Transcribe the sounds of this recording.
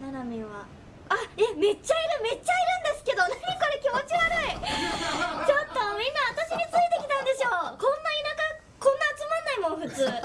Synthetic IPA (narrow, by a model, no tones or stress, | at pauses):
naɾamʲiβa | aeme̞t͡ɕːaiɾɯ̟me̞t͡ɕːaiɾɯ̟̃nd̪e̞sɨ̥ke̞d̪o̞naɲ̟iko̞ɾe̞kʲimo̞t͡ɕiɡaɾɯi | t͡ɕo̞t̪ːo̞mʲĩnːaβat̪aɕiɲ̟ʲit͡sɨit̪e̞kʲi̥t̪ãnd̪e̞ɕo̞ːkõ̞nːainaka | kõnːaːt͡sɨmanːaimo̞nɸɯ̟t͡sɨː